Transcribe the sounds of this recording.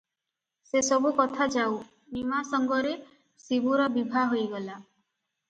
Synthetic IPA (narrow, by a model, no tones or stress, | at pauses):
sesɔbukɔt̪ʰad͡ʒaw | nimasɔŋɡɔɾe | sibuɾɔbibʱaɦojɡɔla